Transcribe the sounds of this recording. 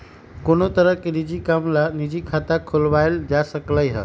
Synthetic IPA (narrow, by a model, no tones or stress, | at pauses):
konot̪əɾəkenid͡ʒikamlanid͡ʒikʰat̪akʰolʋaɪld͡ʒasəkləjɦə̰